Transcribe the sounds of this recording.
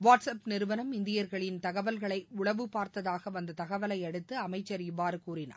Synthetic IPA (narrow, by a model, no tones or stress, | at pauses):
ʋaːʈsɐpnɪɾɯʋɐnɐmɪnd̪ɪjɐɾɣɐɭɪnt̪ɐɣɐʋɐlɣɐɭɐɪʊɭɐʋɯpaːɾt̪ɐðaːɣɐʋɐnd̪ɐt̪ɐɣɐʋɐlɐɪɛɽɯt̪ːɯɐmɐɪt͡ʃːɐɾɪʋːaːɾɯkuːɾɪna̰ː